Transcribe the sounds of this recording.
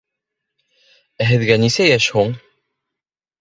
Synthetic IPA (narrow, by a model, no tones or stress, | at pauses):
æɦɘ̆ðɡænisæjæʃhuɴ